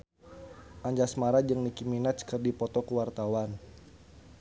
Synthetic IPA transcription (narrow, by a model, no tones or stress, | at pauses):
ʔaɲd͡ʒasmaɾad͡ʒəŋnikiminat̪t͡ʃkərdipɔt̪ɔkuwart̪awan